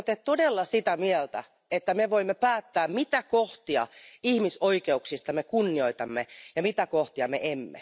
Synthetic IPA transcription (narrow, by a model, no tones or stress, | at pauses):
ot̪ett̪odelːɑsit̪æmiɛlt̪æ̰ | et̪ːæmeʋoimːepæːt̪ːæːmmit̪ækoht̪iɑ̰ihmisoikeuksist̪ɑmekunːioit̪ɑmːejɑmit̪ækoht̪iɑmḛʔemːḛ